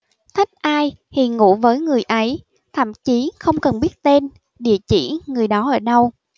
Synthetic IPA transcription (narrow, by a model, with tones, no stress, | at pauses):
t̪ʰi˦˥k̟̚ʔaː˧j | hḭ˨˩ŋṵ˧˥vəː˨˦jŋɨ˨˩əjʔə˨˦j | t̪ʰə̰˧˩˨mt͡ɕi˨˦xə˧wŋ͡mkə˨˩nɓi˦˥ət̚t̪e˧n | ɗḭ˧˨ət͡ɕḭ˧˩ŋɨ˨˩əjɗɔ˨˦ʔəː˧˩ɗə˧w